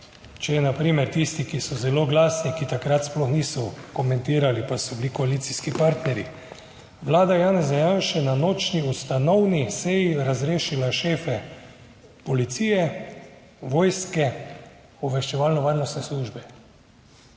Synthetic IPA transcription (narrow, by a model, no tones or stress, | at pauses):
t͡ʃɛjɛnapɾiːmɛɾt̪ist̪ikisɔzɛloːɡlaːsnikit̪akɾat̪splɔxniːsɔkɔmɛ̃nt̪iːɾalipasɔbilikɔaliːt̪siskipaɾt̪nɛɾi | ʋlaːd̪ajaːnɛzajanʃɛnanoːt͡ʃniust̪anɔwnisɛjiɾazɾeːʃilaʃeːfɛ | pɔlit̪siːjɛ | ʋɔːjskɛ | ɔbʋɛʃt͡ʃɛʋaːlnɔʋaːɾnɔst̪nɛsluːʒbɛ